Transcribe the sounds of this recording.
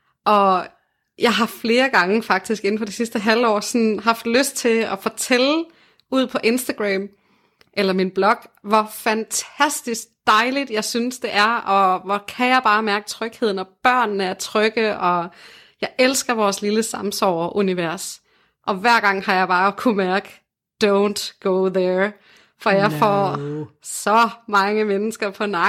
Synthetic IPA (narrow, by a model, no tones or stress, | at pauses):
ʔɒ̽ | jɑ̈ɪɦɑ̈fle̝ːɐɡ̥ɑ̈ŋəfɑ̈ɡ̥̚d̥isɡ̥e̝n̩fɒ̽d̥isisd̥əɦælɒ̰ːsɒnɦɑ̈fd̥løsd̥̚t͡sʰe̝ɒ̽fɒ̽t͡sʰel | uð̞̰ˠpʰɒ̽ʔe̝nsd̥æɡ̥ʁɛm | ʔelɐminb̥lɒ̽ɡ̥ʋɒfænt͡sʰæsd̥isɡ̥̚d̥ɑ̈ɪlid̥jɑ̈ɪsynsd̥e̝ʔæɐɒ̽ʋɒkʰæjɑ̈ɪb̥ɑ̈ːmæɐɡ̥ət͡sʰʁœɡ̥he̝ð̰ˠn̩ɒ̽b̥ɶɐ̰nːəæɐt͡sʰʁœɡ̥əʔɒ̽ | jɑ̈ɪʔelsɡ̥ɐʋɒːsliləsɑ̈msɒ̰ʊ̰ɐʔuniʋæɐ̰s | ʔɒ̽ʋæɐ̰ɡ̥ɑ̈ŋ̰hɑ̈jɑ̈ɪb̥ɑ̈ːkʰumæɐɡ̥ə | d̥oʊnd̥ɡ̥oʊðɛ | fɒjɑ̈ɪfɒ̰ | sɒ̽mɑ̈ŋəmenəsɡ̥ɐpʰɒ̽nɑ